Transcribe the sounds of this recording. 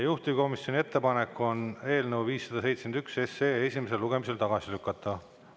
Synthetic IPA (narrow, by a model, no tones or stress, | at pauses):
juht̪iko̞misjo̞nʲie̞t̪ːe̞pɑnekːo̞ne̞ːlnəwviːsːɑd̪̥ɑse̞jt̪send̪ykse̞seːe̞sʲimes̬e̞luɡe̞mise̞lt̪ɑɡ̥ɑsilykːˑɑt̪ːˑɑ